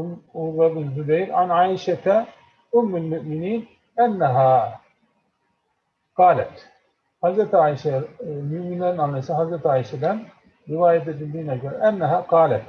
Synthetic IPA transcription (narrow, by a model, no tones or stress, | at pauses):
mʊrːabɪnzʊbajɾʕa̰nʕaːʔɪʃat̪a | ʔʊmːalmʊʔmɪniːn | ʔanːaɦaː | qɑːla̰t̪ | hazɾat̪ʕaːʔɪʃamʊʔmɪnanʕanasahazɾat̪ʕaːɪʃad̪an | ɾɪwaːjat̪̬ad͡ʒɪd̪iːnakaɾʔanːaɦaːqɑːlat̪